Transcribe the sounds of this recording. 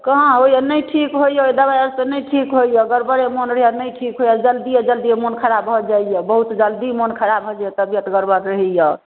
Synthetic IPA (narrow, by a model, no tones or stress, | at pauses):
kəɦãoijenəjʈʰikɦojjeojd̪abaəɾsenəjʈʰikɦojeːɡəɾbəɾemonɾəɦijanəjʈʰikɦojad͡ʒəld̪ijed͡ʒəld̪ijemonkʰəɾabɦɔd͡ʒaijebəɦut̪d͡ʒəld̪imonkʰəɾabɦɔd͡ʒajet̪əbjət̪ɡəɾbəɾɾəɦɛjə